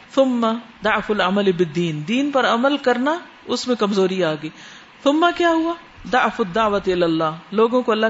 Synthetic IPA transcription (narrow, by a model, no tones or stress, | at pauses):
θʊmːɐd̪aʕfʊlɐməlɪbɪd̪ːiːnd̪iːnpɐɾɐməlkɐɾna | ʊsmẽkɐmzoːɾiaːɡəiː | θʊmːɐkjaːɦʊa | d̪aʕfʊd̪ːaʕʋɐt̪ɪlalːaːloːɡõkoɐlːa